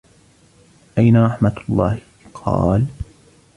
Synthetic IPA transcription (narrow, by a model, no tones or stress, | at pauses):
ʔajnaɾˤɑħmalˤːɑ̰ːh | qʰɑ̰ːl